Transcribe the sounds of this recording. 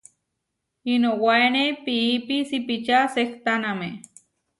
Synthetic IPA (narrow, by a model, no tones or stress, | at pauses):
inowaenepiːpisipit͡ʃasekt̪aname